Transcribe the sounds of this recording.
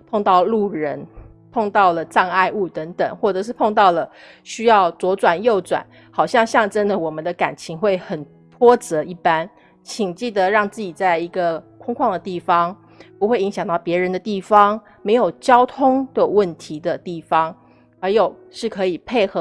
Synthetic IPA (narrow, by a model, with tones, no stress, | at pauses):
pʰo˥˧ŋt̪ɑ˥˧ʊlu˥˩ɻə˧˥n | pʰo˥˧ŋt̪ɑ˥˩ʊlə˩ʈ͡ʂɑ˥˧ŋa˥˧ɪu˥˩t̪ə˧˥ŋt̪ə̰˨˩ŋxwɔ˥˩ʈ͡ʂɤ˨˩ʂ̬ɻ̩˥˧pʰo˥˧ŋt̪ɑ˥˩ʊlə˩ | ɕy˥jɑ˥˩ʊt͡swɔ˧˥t͡swa˨˩njo˥˩ʊt͡swa̰˨˩˦n | xɑ˨˩ʊɕjɑ˥˧ŋɕjɑ˥˧ŋʈ͡ʂə˥nd̪ə˨wɔ˨˩mə˨˦nd̪ə˧ka˨˩nt͡ɕʰi˧˥ŋxwe˥˩ɪxə˨˩n | p̪ʰwɔ˥t͡sɤ˧˥i˥˩pa˥n | t͡ɕʰi˨˩ŋt͡ɕi˥˩d̪ə˧˦ɻɑ˥˧ŋt͡sɹ̩˥˩t͡ɕi˨˩t͡sa˥˩ɪi˧˥ɡə˧kʰwɑ˥ŋkʰwɑ˥˩ŋd̪ə˩t̪i˥˩fɑ˥ŋ | pu˧˥xwe˥˩ɪi˧˥ŋɕjɑ˨˩ŋt̪ɑ˥˩pjɛ˧˥ɻə˧˥nd̪ə˧t̪i˥˩fɑ˥ŋ | me˧˥ɪjo˨˩ʊt͡ɕjɑ˥ʊt̪ʰʊ˥ŋd̪ə˨wə˥˩nt̪ʰi˧˥d̪ə˧t̪i˥˩fɑ˥ŋ | xa˧˥ɪjo˨˩ʊ | ʂɻ̩˥˩kʰɤ˧˥i˨˩pʰe˥˩ɪxɤ˧˥